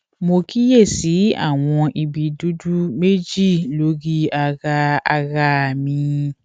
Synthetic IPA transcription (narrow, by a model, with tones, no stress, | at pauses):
mo˧ki˦je˦˨si˨˦a̰˦˨w̃ɔ̃˧ʔi˧bi˨du˨˦du˦me˦d͡ʒi˦˨lo˨˦ɡi˦a˧ɣa˧a˧ɣa˧˨mĩ˧